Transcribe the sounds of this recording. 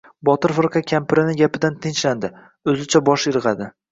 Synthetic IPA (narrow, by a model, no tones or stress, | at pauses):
bɒt̪ɪɾfɪɾqʰɑkʲʰampɪɾɪnɪɡʲapɪd̪ant̪ʰɪnt͡ʃland̪ɪ | ɵzɪt͡ʃʰabɒʃjɪɾɨʁɑd̪ɪ